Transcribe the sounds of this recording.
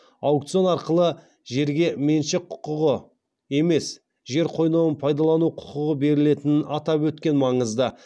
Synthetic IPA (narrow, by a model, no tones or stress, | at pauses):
ɑwkt̪sɨo̞nɑɾqəlˠə | ʒe̞ɾɡʲe̞me̞nʃɪqʰʊ̥qʊʁə | e̞me̞s | ʒe̞ɾqʰo̞jnɑwənpʰɑjd̪ɑlˠɑnuqʰʊ̥qəʁəbe̞ɾɪle̞t̪ɪnɪnʔɑt̪ɑpwɵt̪kʲe̞nmɑɴəzd̪ə